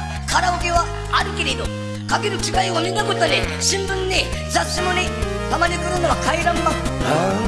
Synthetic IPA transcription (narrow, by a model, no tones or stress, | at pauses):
kʰaɾaoke̞βaː | ɾɯ̟ke̞ɾe̞d̪o | kaɡeɾɯ̟kʲiɡaiomit̪akot̪onʲeɕĩmbɯ̟̃ɲːe | d͡zaɕimonʲi | t̪amaɲikɨnɯnoβakaiɾãmːa